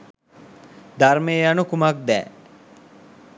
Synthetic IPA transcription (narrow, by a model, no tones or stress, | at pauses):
d̪armeːjanukumak̚d̪ɛ̰ː